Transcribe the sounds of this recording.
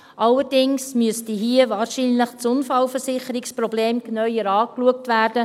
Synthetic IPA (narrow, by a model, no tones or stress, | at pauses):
ʔɑlːəɾdɪŋsmyəstiɦiəvɑːɾʃiːnləχt͡sʊnfɑlfəɾsɪχəɾɪksprɔbleːmknœʏəɾɑːkluək̚tʋæːrdə